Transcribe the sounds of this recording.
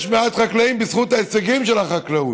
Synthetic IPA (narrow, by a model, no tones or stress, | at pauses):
ʃmeat̪χakleimbisχut̪aeseɡimʃelaχaklau